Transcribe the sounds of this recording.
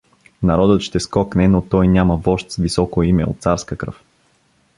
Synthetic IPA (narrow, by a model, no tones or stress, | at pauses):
nɐɾɔd̪ət̪ʃt̪ɛskɔknɛnot̪ɔjnʲaməvɔʃt̪svisɔkoimɛo̰t̪̚saɾskəkɾə̰f